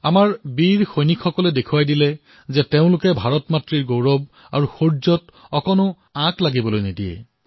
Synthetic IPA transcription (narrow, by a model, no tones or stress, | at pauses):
amaɹbiɹxojnikʰxɔkɔlɛdekʰuwajdilɛ | zɛteʊ̃lʊkɛbʱaɹɔtmatɹiɹɡowɹɔb̚ | aɹuxoɹzɔtɔkɔnʊ | ãklaɡibɔlojnedijɛ̰